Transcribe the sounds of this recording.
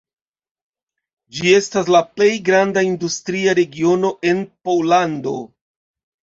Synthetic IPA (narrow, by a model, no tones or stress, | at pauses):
d͡ʒie̞stas̬laple̞jɡɾandaindustɾiaɾe̞ɡio̞no̞ʔe̞npowlando̞̰